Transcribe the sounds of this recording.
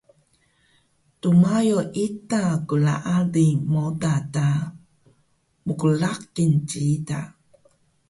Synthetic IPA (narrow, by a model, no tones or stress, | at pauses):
tumajoʔitakula̰ʔalimodata | mukulak̚ːint͡ʃiida̰